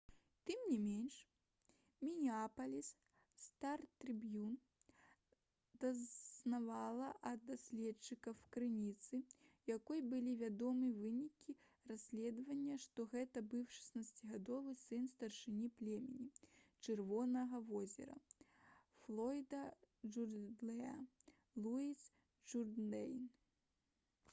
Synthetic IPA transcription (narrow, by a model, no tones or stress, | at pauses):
t̪ɨmnʲimʲenʲʂ | mʲinʲiapɐlʲis | st̪art̪ɾɨbjun | d̪̥ɐnavalˠɐʔɐd̪̚d̪asʲlʲɛt͡ʂɨkɐfkɾɨnʲit̪sɨjakɔjbɨlʲivʲad̪ɔmɨvɨnʲikʲi | rasʲlʲɛd̪vɐnʲːɐʂt̪ɔɣɛt̪ɐbɨwʂɐ̥snat̪sɐt͡sʲiɣad̪ɔvɨsɨnst̪ɐrʂɨnʲiplʲɛmʲɛnʲit͡ʂɨrvɔnɐɣɐvɔzʲɛ̰ɾɐ̰ | flˠɔjd̪ɐʐurd̪lʲˠɛa | lˠuis | ʐurd̪lɛjn